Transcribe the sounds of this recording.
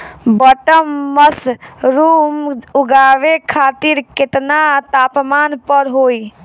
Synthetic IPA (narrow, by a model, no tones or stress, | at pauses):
bəʈəmːəsɾumuɡaʋekʰat̪iɾkɪt̪nat̪apmanpəɾɦoːj